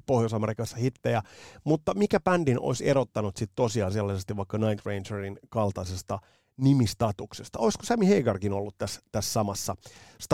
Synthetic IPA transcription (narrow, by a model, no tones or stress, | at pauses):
pohjosɑmeɾikɑsːɑhit̪ːejæmut̪ːɑmikæpændinʔo̰iseɾot̪ːɑnut̪sit̪tosiɑːselːɑsest̪iʋʋɑikːɑnɑint̪reinserinkɑlt̪ɑisest̪ɑ | nimist̪ɑt̪uksest̪ɑoisko̥sæmiheiɡɑrkinolːut̪t̪æst̪æssɑmɑsːɑst̪